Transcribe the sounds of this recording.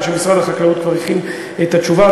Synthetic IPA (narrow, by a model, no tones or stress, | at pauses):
ʃeisʁaelaχaklaut̪kvaʁiχim | et̪at͡ʃuva